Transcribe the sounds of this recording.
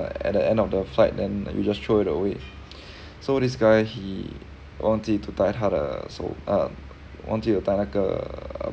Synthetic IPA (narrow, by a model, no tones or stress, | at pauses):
ɛ̰t̚dəɛ̃ndɔfdəflaɪt̚dɛ̃njṵd͡ʒasʃoɪtəwe | sodisɡajhi | wʔɔ̃ntitutaɪt̚ɦadə̰so̰ə̰ | wʔɔ̰̃ntiətãnakəə̰